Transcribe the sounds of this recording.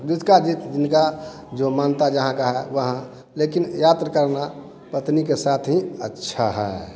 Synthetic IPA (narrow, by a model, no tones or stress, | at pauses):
d̪ud̪kad͡ʒit̪d͡ʒɪnka | d͡ʒomaːnt̪ad͡ʒəɦãkaɦɛʋəɦã | leːkinjat̪ɾəkəɾna | pət̪nikesaːt̪ʰɦĩətːʃʰaɦɛː